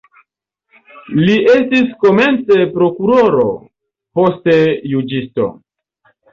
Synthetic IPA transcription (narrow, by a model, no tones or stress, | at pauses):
liʔe̞stisko̞me̞nt͡se̞pɾo̞kuɾoɾo̞ | po̞ste̞jud͡ʒisto̞̰